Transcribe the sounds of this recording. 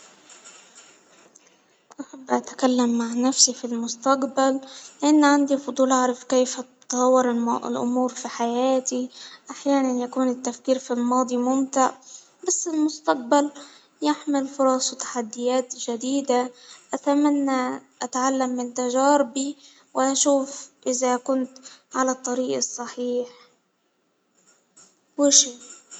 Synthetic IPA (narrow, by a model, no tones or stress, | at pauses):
ʔaħabːʔat̪akalːamːaʕnafsifilmʊst̪aqbalːɪʔanːʕand̪ifʊd̪ˤuːlʔaʕɾˤɑfkeːft̪ˤɑwːɑɾɪlʔʊ̰muːɾfiħajaːt̪iʔaħjaːnanjakuːnɪt̪ːafkiːɾfilmɑːd̪ˤimʊmt̪ɪʕ | basːɪlmʊst̪aq̚bal | jɪħmɪlfʊɾˤɑsˤwt̪ḁħad̪ːɪjaːt̪ʒad̪iːd̪aʔat̪amanːaʔat̪ʕalːamːɪnt̪aʒaːɾbi | wɪʔaʃuːfʔɪzakʊnt̪ʕalat̪ˤːɑɾiːʔɨsˤːɑħiːħ | wɪʃiː